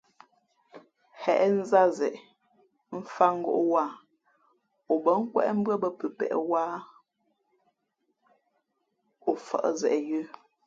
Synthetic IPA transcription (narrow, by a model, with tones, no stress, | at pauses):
hɛ˨ʔn̩˦za˦zɛ˨ʔ | m̩˦fa˦ŋ̩˦ɡo̰˦˨ʔwa˦˨ | o˨bə˨˦ŋ̩˦kwɛ̰˦ʔm̩˦bə˦bə˦pə˨pɛ̰˨ʔwaː˦ | o˨fə̰˦˨ʔzɛ˨ʔjʉ˦